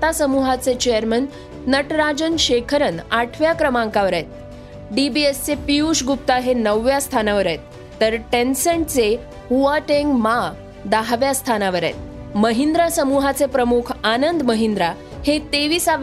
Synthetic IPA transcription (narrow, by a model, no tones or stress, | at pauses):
t̪asəmuɦat͡set͡ɕejəɾmənː | əʈɾad͡ʑənɕekʰəɾənaʈʰʋjakɾəmãŋkaʋəɾajt̪̚ | ɖibiest͡sepiuɕɡup̚t̪aɦenəʋːjast̪ʰanaʋəɾajt̪ː | əɾʈensəɳt͡se | huaʈeŋɡma | d̪aɦʋjast̪ʰanaʋəɾa̰jt̪̚ | məɦind̪ɾasəmuɦat͡sepɾəmukʰanənd̪məɦind̪ɾa | het̪eʋiːsaʋ